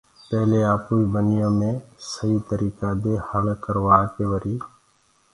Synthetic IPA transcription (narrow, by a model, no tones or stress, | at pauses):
pɛɦleːaːpuːiːbʱənɪjõːmẽːsəɦiːt̪əɾiːkaːd̪eːhəlkəɾʋaːkeːʋəɾiː